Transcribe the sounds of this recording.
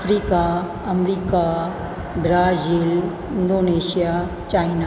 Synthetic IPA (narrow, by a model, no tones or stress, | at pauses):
fɾiːka | ɐmɾiːka | bɾaːziːl | ɪnɖoːneːʃija | t͡ʃaːɪna